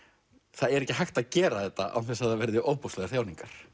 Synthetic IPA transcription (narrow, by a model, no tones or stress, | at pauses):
θaðɛɾɛhcɪɦajxt̪aðcɛːɾaθɛt̪ːa̰ʔa̰w̪θɛsaðavɛɾðɪʔoːwpɔstlɛɣḁθjawnĩŋkaɾ̥